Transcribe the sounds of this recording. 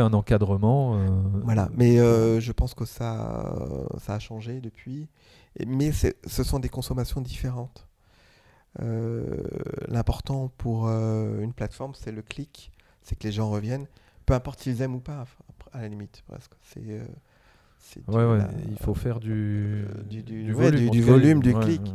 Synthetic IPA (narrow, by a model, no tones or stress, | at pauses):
ɛ̃nɑ̃kad̪ʁəmɑ̃øvwala̰mɛøʒəpɑ̃skəsa̰ | saːʃɑ̃ʒed̪əpɥḭ | mɛsɛ̰səsɔ̃d̪ekɔ̃sɔmasjɔ̃d̪ifeʁɑ̃t̪ | ø̰ | lɛ̃pɔʁt̪ɑ̃puʁøynplat̪fɔʁmsɛləklik | sɛkəleʒɑ̃ʁəvjɛn | pøɛ̃pɔʁt̪silzɛmupaalalimit̪pʁɛ̰sksɛ̰ø̰ | sɛ̰d̪wɛwɛa̰ḭlfofɛʁd̪yd̪yd̪ywɛd̪yd̪yvɔlymd̪yklik